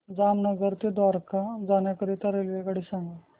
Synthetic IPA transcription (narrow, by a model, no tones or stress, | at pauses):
d͡zamnəɡəɾt̪ed̪ʋaɾkad͡zanjakəɾit̪aɾelʋeɡaɽisãŋɡa